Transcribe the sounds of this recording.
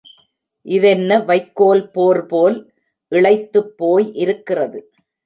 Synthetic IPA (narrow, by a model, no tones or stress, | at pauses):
ʔɪðɛnːɐʋɐɪkːoːlpoːɾpoːl | ʔɪɭɐɪt̪ːɯpːoːjʔɪɾɯkːɪrɐðɯ